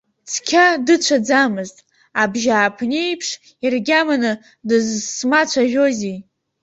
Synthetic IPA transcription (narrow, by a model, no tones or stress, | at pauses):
t͡sʰkʲʰadɨt͡ɕʷʰad͡zamɨztʼ | abʒaːpʰnʲejpʰʂ | irɡʲamanɨ | dɨzsmat͡ɕʷʰaʒʲᶣo̞zi